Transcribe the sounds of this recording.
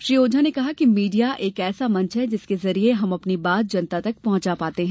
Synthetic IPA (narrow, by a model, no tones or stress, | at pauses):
ʃɾiːoːd͡ʒʱanekɐɦakimiːɖijaʔeːkɛːsamɐ̃nt͡ʃʰɦɛd͡ʒɪskezɐɾieɦɐmɐpnibaːt̪̚d͡ʒɐnt̪at̪ɐk̚pɐɦʊ̃t͡ʃapaːt̪eɦɛ̃ː